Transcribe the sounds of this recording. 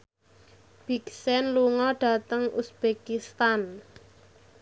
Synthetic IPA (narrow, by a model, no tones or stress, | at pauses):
b̥iksɛnluŋɔɖ̥a̤t̪əŋusb̥ekist̪an